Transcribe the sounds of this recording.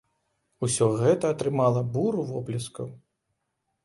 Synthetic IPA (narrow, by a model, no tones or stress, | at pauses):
usʲɔɣɛt̪ɐːt̪ɾɨmalˠɐbuɾuvɔplʲiskɐw